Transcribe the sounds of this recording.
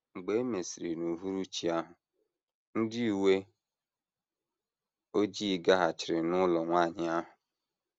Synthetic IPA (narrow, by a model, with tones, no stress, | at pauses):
ŋ͡m̩˨ɡ͡be˨e˦me˨si˨ɾi˨nu˨ɦu˦ɾu˦t͡ʃi˨a˦ɦʊ˨ | n̩˦dɪ˦i˨we˦ | o˦d͡ʒi˦˨ɡa˦ɦa˨t͡ʃɪ˨ɾɪ˨nʊ˦lɔ˨ŋʷa˦˨ɲɪ˦a˦ɦʊ˨